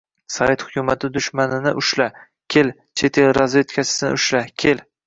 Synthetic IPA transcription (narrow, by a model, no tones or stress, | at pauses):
save̞t̪hʊkʲʊmat̪ʰɪd̪ʊʃmanɪnɪʔʊʃla | kʲʰe̞l | t͡ʃʰe̞t̪ʰe̞lɾazve̞t̪kʲʰasɪ̥sɪnɪ̰ʊʃlakʲʰe̞l